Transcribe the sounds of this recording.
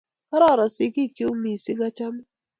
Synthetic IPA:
ka˦ɾɔ˦˨ɾɔ˨sɪ˦ki˦˨ki˦o˦mi˨sɪ˦ŋa˦t͡ʃa˦m˦

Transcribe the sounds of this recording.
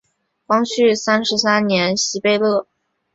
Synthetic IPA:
kɑ˥ŋɕy˥˩sa˥nʂɻ̩˧˥sa˥nnjɛ˧˥nɕi˧˥pe˥˧ɪlɤ˥˩

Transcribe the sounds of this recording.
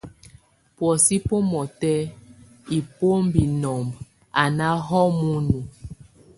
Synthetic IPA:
pwɔ˨si˦po˦mɔ˨tɛ˦ | i˨po˦m˦bi˨nɔ˨mb | a˨na˦ɦɔ˦mu˦nu˨

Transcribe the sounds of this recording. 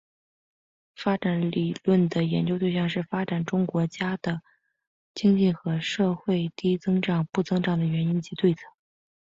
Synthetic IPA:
fa˥ʈ͡ʂa˧˥nli˨˩lwə˥˩nd̪ə˩jɛ˧˥nt͡ɕjo˥ʊt̪we˥˧ɕjɑ˥˧ŋʂɻ̩˥˩fa˥ʈ͡ʂa˨˩nʈ͡ʂʊ˥ŋkwɔ˧˥t͡ɕja˥d̪̥ə˨ | t͡ɕi˥ŋt͡ɕi˥˩xɤ˧˥ʂɤ˥˧xwe˥˧ɪt̪i˥t͡sɤ˥ŋʈ͡ʂɑ˨˩ŋpu˥˩t͡sɤ˥ŋʈ͡ʂɑ˨˩ŋd̪ə˩ɥɛ˧˥ni˥nt͡ɕi˧˥t̪we˥˩ɪt͡sʰɤ˨˧˩

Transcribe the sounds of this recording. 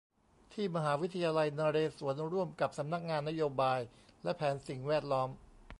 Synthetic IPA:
t̪ʰiː˥˩ma˧ɦaː˩˦wi˦˥t̪ʰːa˧jaː˧la˧jnaː˧ɾeː˧su˩˦ənɾu˥˩əmka˨˩p̚sa˩˦mna˦˥k̚ŋaː˧nːa˦˥joː˧baː˧jlɛ˦˥pʰɛː˩˦nsi˨˩ŋwɛː˥˩t̪̚lɔː˦˥m

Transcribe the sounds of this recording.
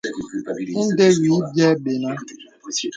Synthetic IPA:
n̩˦de˦wi˨˦bjɛ˦ɓe˨na˦

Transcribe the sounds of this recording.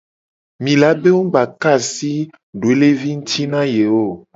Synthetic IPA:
mĩ˨la˨˦be˦wo˦ɡ͡ba˨ka˦˨si˦ | ɖo˨e˦le˦vi˦ŋ̩˦t̪ʰi˦nã˦je˨wo˦˨

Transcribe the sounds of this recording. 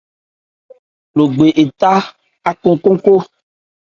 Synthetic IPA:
lo˨ɡ͡be˨ʔe˨t̪a˦ | a˦ko˦ko˦ko˦

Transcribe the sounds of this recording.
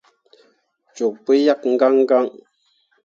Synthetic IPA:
t͡ʃo˨k̚pə˦ja˦kŋ̩˦ɡa˦ŋ˦ɡa˦ŋ

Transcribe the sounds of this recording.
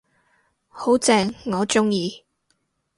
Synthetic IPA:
ho˨˥wt͡sɛː˨˩ŋŋɔː˨˧t͡ʃʊ˥ŋjiː˧

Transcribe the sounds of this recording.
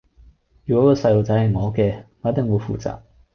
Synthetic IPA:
jyː˨kɔː˨˦˥kɔ˧sɐ˧jlo˨˧wt͡sɐ˨˥jhɐ˨˩jŋɔː˨˧˥kɛː˧ŋɔː˨˥t̪ɪ˨˩ŋwuː˨˧jfṵː˨˩t͡sa̰ː˨˩k̚

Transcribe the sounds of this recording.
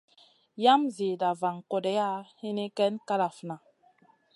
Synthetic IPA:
ja˦mzi˨da˨va˨ŋko˨dɛ˦ja˦hi˦ni˦kɛ˦nka˦ɾa˨fna˨

